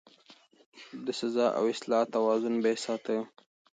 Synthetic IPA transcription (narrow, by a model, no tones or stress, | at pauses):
d̪əsazɑʔa̰wɪslɑt̪awɑzʊnbesɑt̪ə